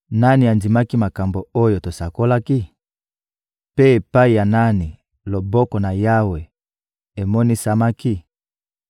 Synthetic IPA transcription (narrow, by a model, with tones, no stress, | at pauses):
na˦ni˨a˨ndi˨ma˦ki˦ma˨ka˨mbo˨o˦jo˨to˨sa˨ko˦la˦ki˦ | pe˦e˨pa˦i˨ja˨na˦ni˨ | lo˨bɔ˦kɔ˨na˨ja˦we˨ | e˨mɔ˦ni˦sa˦ma˦ki˦